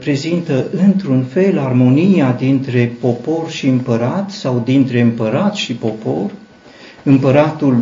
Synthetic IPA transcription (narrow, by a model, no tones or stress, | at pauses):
pɾe̞zint̪əʔɨnt̪ɾunfe̞larmo̞nijad̪int̪ɾe̞po̞po̞rʃiɨmpəɾat̪sawd̪int̪ɾe̞ɨmpəɾat̪ʃipo̞po̞̰r | ɨmpəɾat̪ul